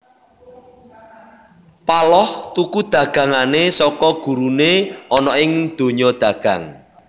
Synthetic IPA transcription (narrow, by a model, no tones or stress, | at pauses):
palɔht̪ukud̪̥ä̤ɡ̥ä̤ŋanesɔkɔɡ̥ṳɾuneɔnɔɪŋd̪̥o̤ɲɔd̪̥a̤ɡ̥ä̤ŋ